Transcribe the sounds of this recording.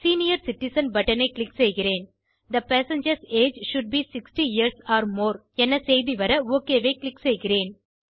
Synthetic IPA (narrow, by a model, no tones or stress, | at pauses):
siːnɪjɐɾsɪʈɪsɐnbɐʈɐneːklɪksɛjɣɪɾeːn | d̪ɐpæːsɐ̃ɲd͡ʒɐɾseːd͡ʒʃʊɖ̚biːsɪksʈiɪjəɾsaːɾmoːɾ | ɛnːɐsejðiʋɐɾɐoːkeːʋeːklɪksɛjɣɪɾeːn